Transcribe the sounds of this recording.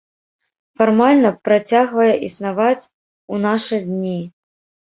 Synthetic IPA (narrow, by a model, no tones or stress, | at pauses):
farmalʲnɐpɾat͡sʲaɣvɐjɛʔisnavat͡sʲ | unaʂɨd̪ʲnʲi